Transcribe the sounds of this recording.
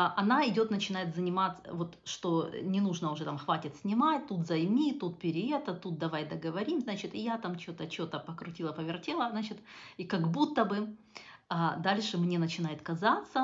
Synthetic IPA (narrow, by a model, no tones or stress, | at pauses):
ʔɐnaɪdʲo̞t̪nət͡ɕɪnajɪt̪zənʲɪmat̪sə̰vo̞t̪ʂt̪o̞nʲɪnuʐnəʊʐɛt̪amxvatʲɪt̪sʲnʲɪmat̚ʲt̪ut̪zɐjmʲit̪ut̪̚pʲɪɾʲɪɛt̪ət̪ut̪̚d̪ɐvajd̪əɡəvɐɾʲimznat͡ɕɪt̪ɪjat̪amt͡ɕot̪ət͡ɕot̪əpəkɾʊtʲilˠəpəvʲɪrtʲelˠəznat͡ɕɪt̪ikɐɡbut̪ːəbɨ | ad̪alʲʂɨmnʲe̞nət͡ɕɪnajɪt̪kɐzat̪sə